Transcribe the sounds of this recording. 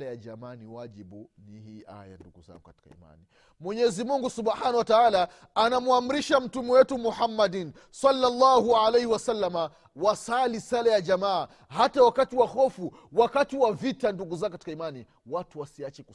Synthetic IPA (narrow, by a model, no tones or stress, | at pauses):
lajaʄamaːniwaʄiɓu | nihiʔa̰ja̰nduɡuza̰ŋɡukati̥ka̰ḭma̰ni | mwɛɲɛzimuŋɡusubħanawataaːlaː | namuam̩ɾiʃam̩tumɛwɛtumuħamːadin | salːalːahualɛjhiwasalːama | wasalisalajaʄamaː | hatawakatiwahɔfu | wakatiwavitanduɡuzaŋɡkati̥kaimani | watuwasiat͡ʃɛku